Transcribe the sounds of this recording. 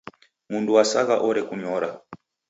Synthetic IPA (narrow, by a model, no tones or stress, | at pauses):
munduwasaɣaʔɔɾɛkuɲɔɾa